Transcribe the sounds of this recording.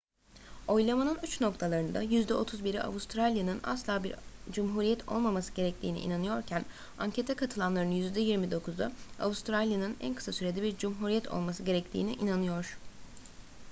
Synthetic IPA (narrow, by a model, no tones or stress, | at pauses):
o̞jlˠamanɯnyt͡ʃno̞kt̪ʰalˠaɾɯnd̪a̰jyzd̪ɛʔo̞t̪ʰuzbiɾḭʔa̰vust̪ɾalʲjanɯna̰slˠaːbiɾd͡ʒumɦuːɾijɛt̪ʰo̞̰lˠmamasɯɟe̞ɾɛc̚t̪ʰḭːnḭḭnanɯjo̞ɾcʰæn | aɲcʰe̞t̪ʰɛkʰat̪ʰɯlˠanlˠaɾɯnjyzd̪ɛjiɾmid̪o̞kʰuzd̪aa̰vust̪ʰɾalʲjanɯnæ̰nkʰɯ̥sasyɾe̞d̪ɛbiɾd͡ʒumɦuɾijɛt̪ʰo̞̰lˠmasɯɟe̞ɾɛct̪ʰḭːniʔinanɯjo̞ɾ̥